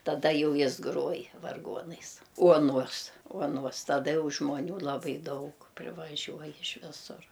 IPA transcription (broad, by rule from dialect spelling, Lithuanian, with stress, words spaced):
tɐˈdɐ ˈjɛʊ ˈjɪs ˈɡruɔj ʋɐrˈɡuɔnɐɪs ˈuɔˌnuɔs uɔˈnuɔs tɐˈdɐ ˈjɛʊ ʒmoːˈnʲuː lˠɐˈbɐɪ ˈdɐʊk pʲrʲɪʋɐˈʒʲuɔj ɪʃ ˈʋʲɪsʊr